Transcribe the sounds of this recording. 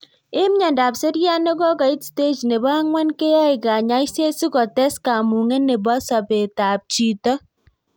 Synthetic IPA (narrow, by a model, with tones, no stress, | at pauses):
ɪ˦mɲa˨nda˨pse˦ɾja˦ne˦kɔ˦ka˨i˦tste˦t͡ʃne˨bɔ˦ŋwɛ˦nke˦ja˦i˨ka˨ɲa˦jse˦si˦kɔ˨tɛ˦ska˨mu˨ŋɛ˦ne˨bɔ˦sɔ˨pe˨ta˨p̚t͡ʃi˨tɔ˦